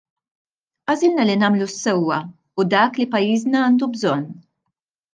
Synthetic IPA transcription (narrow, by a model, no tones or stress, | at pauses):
ʔɐzɪlnɐlinɐːmlusːɛwːɐ | ud̪ɐːklipɐjːiːznɐɐːnd̪ubzɔnː